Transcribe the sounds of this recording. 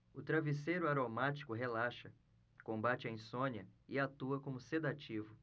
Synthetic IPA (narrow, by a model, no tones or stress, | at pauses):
ʊt̪ɾavisejɾʊaɾomat͡ʃi̥kʊɦelaʃɐ | kõbat͡ʃɪɐĩsõniɐɪat̪uɐkõmʊsed̪at͡ʃivʊ